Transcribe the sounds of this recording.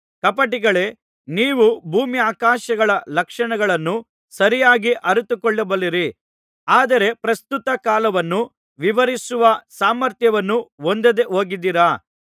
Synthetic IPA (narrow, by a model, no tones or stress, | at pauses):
kɐpɐʈiɡɐɭe̞ | niːʋubʱuːmiaːkaːʃɐɡɐɭɐlɐkʂɐɳɐɡɐɭɐnːu | sɐɾijaːɡiʔɐɾut̪ukɔɭːɐbɐliɾi | aːd̪ɐɾe̞pɾɐst̪ut̪ɐkaːlɐʋɐnːu | ʋiʋɐɾisuʋɐsaːmɐɾt̪jɐʋɐnːuond̪ɐd̪eɦo̞ːɡid̪iɾa